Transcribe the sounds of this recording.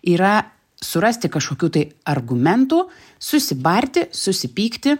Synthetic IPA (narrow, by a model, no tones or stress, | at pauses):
iːɾɐ | sʊɾɐsʲt̪ʲɪkɐʃkoːkʲuːt̪ɐɪɐrɡʊmʲɛnt̪uː | sʊsʲɪbɐɾʲt̪ʲɪsʊsʲɪpʲiːkt̪ʲɪ